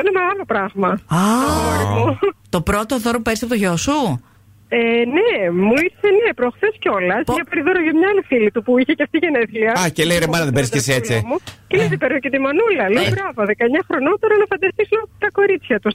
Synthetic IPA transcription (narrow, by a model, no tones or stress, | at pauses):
ineme̞ɣɐlo̞pɾɐɣmɐɐoɾmut̪o̞pɾo̞t̪oðo̞ɾopupe̞ɾisɐpo̞t̪oʝosu | enemuiɾse̞nepɾoxθesceo̞lɐspʝɐpɐɾiðoɾoʝɐmɲɐɐlifilit̪upuiçeceɐft̪iʝeneθliɐɐcelejɾemɐnɐðebeɾiskesiet͡simucelezipeɾnucet̪imɐnulɐleobɾɐvoðekɐeɲɐxɾo̞not̪oɾɐnɐfɐnd̪ɐst̪isnɐt̪ɐko̞ɾit͡sçɐt̪us